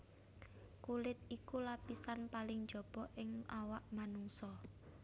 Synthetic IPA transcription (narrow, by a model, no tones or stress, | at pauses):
kulɪt̪̚ikulapisanpalɪŋd̥ʒ̥ɔ̤b̥ɔʔɪŋawaʔmanuŋsɔ